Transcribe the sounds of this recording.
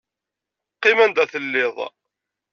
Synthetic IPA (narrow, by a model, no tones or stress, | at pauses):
qːɪmænd̪æθəlːɪðˤ